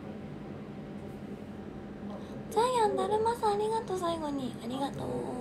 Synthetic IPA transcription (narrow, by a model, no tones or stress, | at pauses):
zaiãnd̪aɾɯ̟masaːɾʲiɡat̪o̞s̬aiɡo̞ɲ̟iaɾʲiɡat̪o̰ː